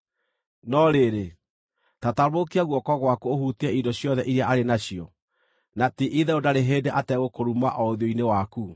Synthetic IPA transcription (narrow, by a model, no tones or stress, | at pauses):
nɔɾeɾe | tataɾmokiaɣwɔkɔɣwakuohutiɛidɔɕjɔðɛʔiɾeaʔaɾenaɕiɔ | natiʔiðɛodaɾeɦedɛʔatɛɣokoɾumaʔɔoðjoinewaku